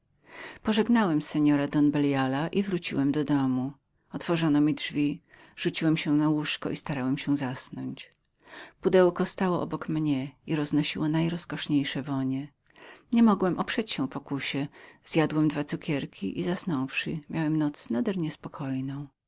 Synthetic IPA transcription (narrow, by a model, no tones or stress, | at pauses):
pɔʐɛɡnawɛmsɛɲɔɾad̪ɔnbɛljalaʔivɾut͡ɕḭwɛmd̪ɔd̪ɔmu | ɔt̪fɔʐɔnɔmʲidʐvʲi | ʐ̥ut͡ɕiwɛmɕɛnawuʂkɔ̰ʔist̪aɾawɛmɕɛ̃zasnɔɲt͡ɕ | pud̪ɛwkɔst̪awɔʔɔbɔkmɲɛiɾɔznɔɕiwɔnajɾɔskɔʂɲejʂɛvɔɲɛ | ɲɛmɔɡwɛmʔɔpʂɛt͡ɕɕɛ̃pɔkuɕɛz̥jad̪wɛmd̪vat̪sukʲɛɾkʲʰiʔizasnɔ̃w̃fʂɨ̰mʲjawɛmnɔt̪snad̪ɛɾɲɛspɔkʰɔjnɔ̃w̃